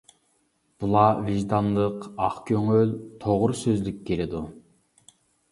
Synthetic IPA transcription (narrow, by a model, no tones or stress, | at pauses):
b̥ulˠɑviʒd̪ɑnlˠəqɑχkʲʰøŋølt̪ʰoʁʊɾsøzlykʲːelɪd̪u